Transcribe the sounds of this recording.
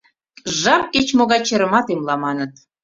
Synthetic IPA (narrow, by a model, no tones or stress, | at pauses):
ʒɑp̚ket͡ɕmoɣɑt͡ɕeɾə̆mɑt̪emlɑmɑnət̪